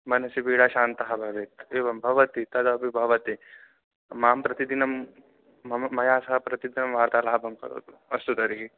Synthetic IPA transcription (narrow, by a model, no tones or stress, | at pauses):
mɐnɐsibiːɽaːʃaːnt̪ɐɦɐbʱɐʋeːt̪eːʋɐmbʱɐʋɐt̪it̪ɐd̪ɐbibʱɐʋɐt̪i | maːmpɾɐt̪id̪inɐm | ɐmɐjaːsɐɦɐpɾɐt̪id̪inɐmʋaːɾt̪aːlaːbʱɐmkɐ̰ɾo̰ːt̪ | ɐst̪ut̪ɐɾiki